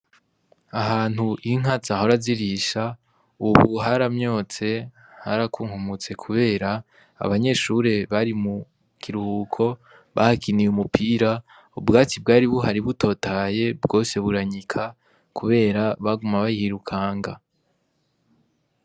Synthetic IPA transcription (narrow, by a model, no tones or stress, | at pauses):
aɦaːn̥huʔiŋ̥azaho̞ɾaziɾiʃa | uβuɦaɾamɲo̞ːt͡se̞ | haɾakuŋ̥humut͡se̞kʰuβe̞ːɾa̰ː | βaɲe̞ʃuɾe̞βaɾimu | kʰiɾuhuːkʰo̞ | βa̰hakinijumupʰiːɾa | ubɡaːt͡sibɡaːɾiβuɦaɾiβuto̞ːtaːje̞bɡo̞ːse̞βuɾaɲikʰa | kʰuβe̞ːɾaβaɡumaβajihiɾukʰaːŋɡa̰